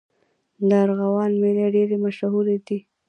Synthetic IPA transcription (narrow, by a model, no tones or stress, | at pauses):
d̪aɾɣawɑnmeleɖeɾemaʃɦuɾed̪i